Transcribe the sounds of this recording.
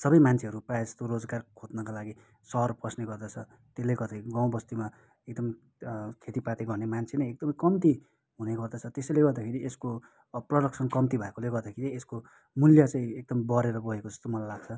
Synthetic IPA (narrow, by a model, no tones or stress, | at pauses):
sʌbʌjmant͡sʰeɦʌɾuprajast̪oɾod͡zɡarkʰot̪̚nʌkalaɡi | sʌrprʌsneɡʌrd̪ʌt͡sʰʌ | t̪elːeɡʌd̪ʌɡãw̃bʌst̪uma | ek̚d̪ʌm | kʰet̪ipat̪eɡʌrnemant͡sʰenʌjek̚d̪ʌmʌkʌmt̪i | ɦuneɡʌrd̪ʌt͡sʰʌt̪esʌjleɡʌrd̪akʰeɾiesko | prʌɖʌksʌnkʌmt̪ibʱʌekoleɡʌrd̪akʰeɾiesko | muljʌt͡saĩek̚d̪ʌmbʌɾeɾʌbʌɦekod͡zʌst̪omʌlajlaɡ̥t͡sʰʌ